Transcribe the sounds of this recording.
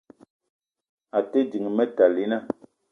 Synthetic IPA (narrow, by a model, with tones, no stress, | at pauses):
a˨te˦d͡ʒi˨ŋ˨mɛ˦ta˨li˦na˦